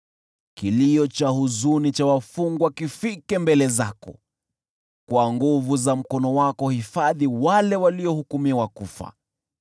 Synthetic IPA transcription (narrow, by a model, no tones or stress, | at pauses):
kiliɔt͡ʃahuzunit͡ʃawafuŋɡwakifikɛmbɛlɛzakɔ̰ | kwaŋɡuvuzam̩kɔnɔwakɔhifaðiwalɛwaliɔhukumiwakufa̰